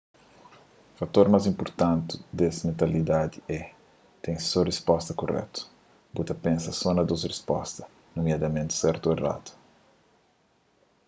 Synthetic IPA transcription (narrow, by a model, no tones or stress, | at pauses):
fat̪oɾmazĩmpoɾt̪ãnt̪ud̪ɛsimẽnt̪ɐlid̪ad̪iɛ | t̪ẽj̃sɔrespɔst̪ɐkorɛ̰t̪u̥ | but̪ɐpẽnsɐsɔnɐd̪ozrespɔ̰st̪ɐ | numjad̪ɐmẽnt̪u̥sɛɾt̪uera̰t̪u̥